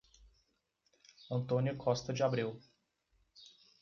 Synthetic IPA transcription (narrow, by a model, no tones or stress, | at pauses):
ɐ̃nt̪õnjʊkʰɔst̪ɐd͡ʒɪabɾiw